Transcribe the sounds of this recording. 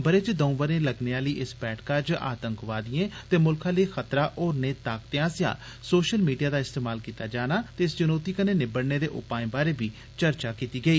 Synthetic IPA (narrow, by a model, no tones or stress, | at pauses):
bəɾeːt͡ʃd̪əũːbəɾẽːləɡneːaːliːʔɪspɛːʈʰkad͡ʒa̰ːt̪ə̃ŋkʋaːd̪iẽːt̪eːmʊlkʰãːleixət̪ɾaːʔoːɾneːt̪aːkt̪eãːsjã̰ː | soːʃəlmiːɖijaːd̪aːɪst̪eːmaːlkiːt̪aːd͡ʒaːnaːt̪eːɪst͡ʃənoːt̪iːkəneːnɪbəɽneːd̪eːʔʊ̰paːẽːbaːɾeːbiː | t͡ʃəɾt͡ʃaːkiːt̪iːɡəiː